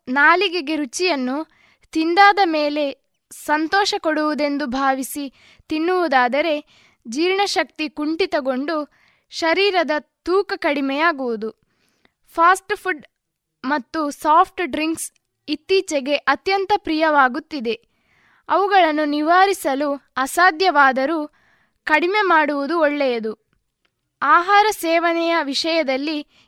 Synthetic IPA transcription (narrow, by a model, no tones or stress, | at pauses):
naːliɡeɡe̞ɾut͡ʃijɐnːu | t̪ind̪aːd̪ɐmeːle̞ | sɐnt̪ɔːʃɐkoɽuʋud̪e̞nd̪ubʱaːʋisi | t̪inːuʋud̪aːd̪ɐɾe̞ | d͡ʒiːɾɳɐʃɐk̚t̪ikuɳʈit̪ɐɡo̞ɳɖu | ʃɐɾiːɾɐd̪ɐt̪uːkɐkɐɽimɛjaːɡuʋud̪u | pʰaːsʈpʰuɖ | mɐt̪ːusaːpʰʈɖɾiŋks | it̪ːiːt͡ʃɛɡe̞ʔɐt̪jɐnt̪ɐpɾijɐʋaːɡut̪ːid̪e̞ | ɐʋuɡɐɭɐnːuniʋaːɾisɐluɐsaːd̪jɐʋaːd̪ɐɾu | kɐɽimemaːɽuʋud̪uɔɭːɛjɐd̪u | aːɦaːɾɐsɛːʋɐnɛjɐʋiʂɐjɐd̪ɐlːi